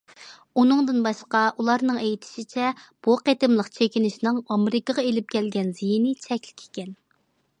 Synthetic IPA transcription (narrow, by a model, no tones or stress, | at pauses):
unɨŋd̪ɨnbɑʃqɑʔulˠɑɾnɨŋejt̪ʰɪ̥ʃit͡ʃʰɛb̥uqet̪ɪmlˠəqt͡ʃʰekʲinɪʃnɨŋɑmɾɪkəʁɑelɪp̚kʲʰɛlɡʲɛnzijinɪt͡ʃʰɛkʲlɪ̥kʲʰe̥kʲɛn